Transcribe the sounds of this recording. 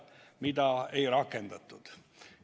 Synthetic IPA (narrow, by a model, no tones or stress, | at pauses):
mid̪ɑe̞jɾɑkːˑend̪̥ɑt̪ːˑud̪̥